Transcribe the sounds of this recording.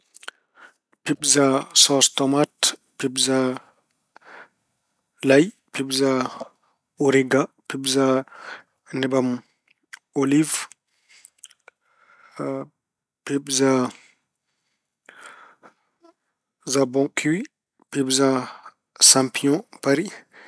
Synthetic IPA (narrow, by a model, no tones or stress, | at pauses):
pibzasɔ̃st̪ɔmatpibza | laj | pibza | oɾiɡa | pibza | nɛbam | oliv | pibza | zabɔ̃kʰiwi | pibza | sãmpjɔ̃paɾi